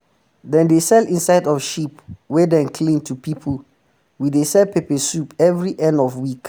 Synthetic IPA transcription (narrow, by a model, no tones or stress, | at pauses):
dɛ̃ndesɛlĩnsaɪdɔfʃipwɛdɛ̃nkʰlĩntʰupipʰəl | widesɛlpʰepəsupɛvɹiʔɛ̃ndɔfwik